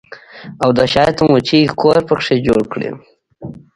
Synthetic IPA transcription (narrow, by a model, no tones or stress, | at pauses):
awd̪əʃɑjt̪əmut͡ʃikʰoɾpəkʂed͡ʒoɽkɽḭ